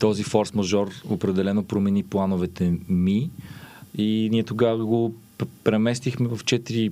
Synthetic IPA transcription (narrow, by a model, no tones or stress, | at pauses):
t̪ɔzifɔɾsmɐʒɔɾopɾɛd̪ɛlɛnopɾomɛniplˠanovɛt̪ɛmi | iniɛt̪oɡavɐɡo | pɾɛmɛst̪ixmɛvɐft͡ʃɛt̪iɾi